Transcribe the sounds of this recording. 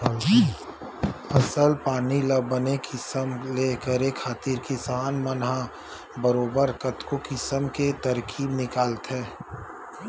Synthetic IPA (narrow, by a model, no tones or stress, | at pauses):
ɐsəlpaːniləbənekʰɪsəmleːkəɾekʰːaːt̪iɾkɪsaːnmənɦa | bəɾoːbəɾkɐt̪kokɪsəmket̪əɾkʰiːbnɪkaːlt̪ɦɛː